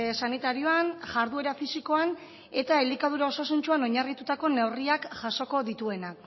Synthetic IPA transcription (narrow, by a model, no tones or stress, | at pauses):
sanit̪aɾio̞anʝaɾðue̞ɾafisiko̞an | e̞t̪aelikað̞uɾao̞sasunt͡ʃuano̞ɲarit̪ut̪ako̞newriakʝaso̞ko̞ðit̪ue̞nak